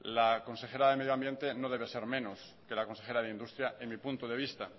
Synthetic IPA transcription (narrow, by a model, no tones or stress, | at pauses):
lakõ̞nse̞xe̞ɾaðe̞me̞ðjoambje̞nt̪e̞no̞ð̞e̞β̞ese̞ɾmẽnos | ke̞lako̞nse̞xe̞ɾaðeind̪ust̪ɾjaeŋmipunt̪oðe̞β̞ist̪a